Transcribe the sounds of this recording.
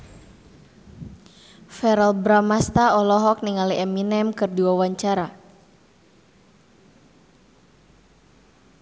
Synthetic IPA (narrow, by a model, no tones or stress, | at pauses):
fɛɾɛlbɾamast̪aɔlɔɦɔk̚niŋaliʔɛminɛmkɨrduawaɲt͡ʃaɾa